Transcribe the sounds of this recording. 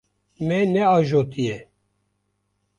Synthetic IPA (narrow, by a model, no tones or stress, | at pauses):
mɛnɛɑːʒoːt̪ijɛ